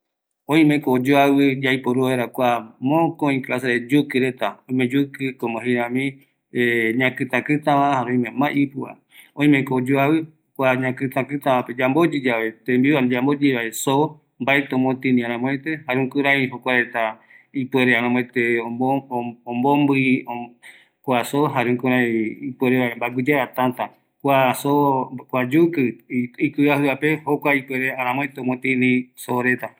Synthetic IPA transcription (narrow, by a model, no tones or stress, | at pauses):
õĩmekoːd͡ʒoawɨd͡ʒajpoɾueɾakʷamõkoĩkʔasaɾed͡ʒukɨɾet̪aõĩmẽd͡ʒukɨkomõɦĩɾãmĩ | eɲãkɨt̪ãkɨt̪ãβãhaɾeõj̃mẽmãʔipɨa̰ | õĩmẽkoːd͡ʒoawɨ | kʷaɲãkɨt̪ãkɨt̪ãβãped͡ʒambod͡ʒid͡ʒaβe̞t̪embiad͡ʒambod͡ʒeβaeso | mbaet̪eõmõt̪ĩnĩãɾ̃ãmõẽt̪ehaɾeũkɨɾajɦokʷaɾet̪a | ipweɾeaɾãmõẽt̪eooõmbombɨo | kʷasoɦaɾeũkɨ̃ɾajiipweɾeβaembaɡʷɨd͡ʒeɾat̪ãnt̪a | kʷasokʷad͡ʒukɨikɨaɦɨapehokʷaipweɾeaɾãmõẽt̪eomõt̪ĩnĩsoɾe̞t̪a